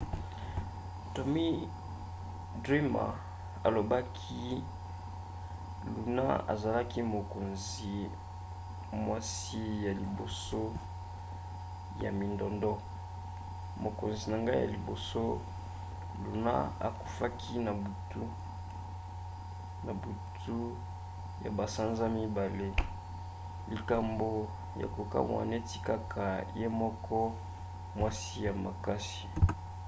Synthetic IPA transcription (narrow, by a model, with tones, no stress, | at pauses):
to˨mi˦ | dʁi˦ma̰˨ | a˨lo˨ba˦kʰi˦ | lu˨na̰˦a̰˨za˨la˦ki˦mo˨ko˨nz | i˨ | mwa˦si˦ja˨li˨bo˨so˦ | ja̰˨mi˨ndɔ˨ndɔ˦ | mo˨ko˨nzi˨na˨ŋɡa˦ja̰˨li˨bo̰˨so˦ | lu˨na̰˦a̰˨ku̥˨fa˦kʰi˦na˨bu˨tu˦ | na˨bu˨tʰu˦ | ja̰˨ba˨sa˦nza˦mi˦ba˨le˦ | li˨ka˨mbo˨ | ja̰˨ko˨ka̰˦mwa̰˨ne˦ti˨ka˦kʰa˨je˦mɔ˦kʰɔ˦ | mwa˦si˦ja˨ma˨ka˦si̥˨